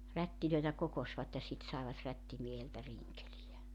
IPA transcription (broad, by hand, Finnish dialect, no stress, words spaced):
rætːiløitæ kokosʋɑt jɑ sit sɑeʋɑt rætːimieheltæ riŋkelijæ